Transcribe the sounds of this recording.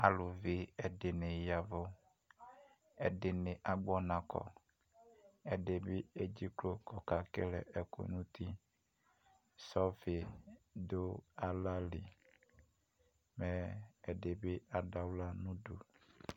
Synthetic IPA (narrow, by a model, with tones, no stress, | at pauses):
a˨lu˨ve˦e˨ɖe˨nẽ˨ja˨vo˦ | ḛ˨ɖe˨ne˨ʔa˨ɡ͡bɔ˦nã˨kɔ̰˨ | e˨ɖe˨be˦e˦d͡ʑi˦klo˦kɔ˨ka˨ke˦lḛ˨ʔe˨ko̰˨nũ˦t̪ʰi˦ | sɔ˦fe˨do˦a˦la˦li˨ | me˨e˨ɖe˨be˦a˨ɖa˨wla˦nũ˦du˨